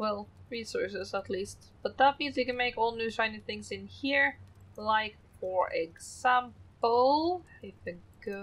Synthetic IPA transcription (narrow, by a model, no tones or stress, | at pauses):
wɛlˠɹisɔɹsɪzətˡlist̚ | b̥ʌt̪̚ðət̚mĩnzjɨkɨ̃nmeɪkɔlˠnʉtãɪ̃nɨθɪ̃ŋzɨ̃nhiɹlaɪk | fə˞ʔɪɡz̥æ̃mpəl̩ˠ | ɪfɨɡ̥ʊ